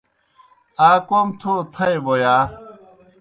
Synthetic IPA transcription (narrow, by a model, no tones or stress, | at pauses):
aːkomt̪ʰoːt̪ʰɐebojaː